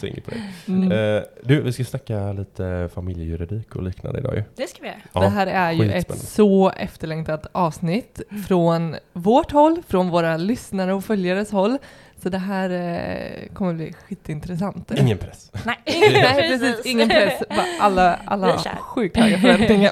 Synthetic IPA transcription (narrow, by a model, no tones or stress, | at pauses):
ɪ̰ŋːəpɔd̪ɛ̰ | d̪ʉvɪskasnakːaliːt̪ʰəfamɪljəjʉɾɪd̪iːkɔ̰liːkna̰nd̪əɪd̪ɑ̰ːjɵ̰dskaʋɪj̰ɾd̪ɛɦæːɾæɾjɵʔɛst̪ɛ̰sɔʔɛ̰ft̪əɭɛŋt̪at̪ɑːvsnɪt̪ːfɾɔnvɔʈhɔlːfɾɔnvoːɾalʏsnaɾəɔfœljaɾəshɔlː | sɔd̪ɛɦæːɾ | kʰɔmːəblḭːɧiːt̪ːɪnt̪ɾɛsant̪ɪŋːənpʰɾɛs | nɛpɾɛsiːsɪŋːənpɾɛsvaʔalːaʔa̰lːa̰ɧʉ̟ːk̚t̪ʰɑːɡafɛmɛŋːa